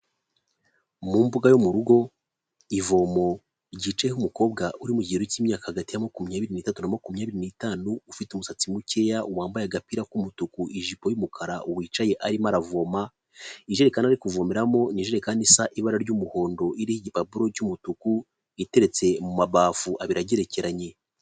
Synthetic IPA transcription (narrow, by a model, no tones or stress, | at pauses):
muːmbuɡajomuɾuɡo̞ | ivo̞ːmo̞ | ɾɟiːt͡ʃajehumuko̞ːb̚ɡaʔuɾimuɟiːɾociːmɲaːkahaɡatijamakumɲaːβiɾinitatunamakumɲaːβiɾinitaːnuːfitumusat͡simuce̞jaʔuwaːmbajaɡapiɾakumutukuʔiʒipo̞jumukʰaɾauwiːt͡ʃaje̞ʔaɾimaɾavo̞ːma | iʒe̞ɾekanaɾikuvo̞meɾamo̞niʒeɾe̞kanisaʔiβaɾaɾɟumuho̞ːndo̞ʔiɾihiɟipabuɾo̞ɟumutuku | ite̞ɾe̞t͡se̞mumaβaːfuʔaβiɾaɟe̞ɾe̞ce̞ɾaɲe̞